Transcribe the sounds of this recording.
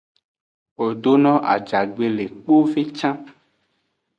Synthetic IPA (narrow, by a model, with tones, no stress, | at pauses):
o˨ɖ̪o˦nɔ̃˦ʔa̰˨d͡ʒa˨ɡ͡be˨le˨k͡po˦ve˦t͡ʃã˦